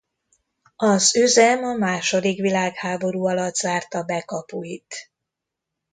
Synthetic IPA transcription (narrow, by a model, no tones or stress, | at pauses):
ɒzøzɛmɒmaːʃo̞d̪ikʋilaːkhaːbo̞ɾuːɒlɒd̪zaːrt̪ɒbɛkɒpuit̪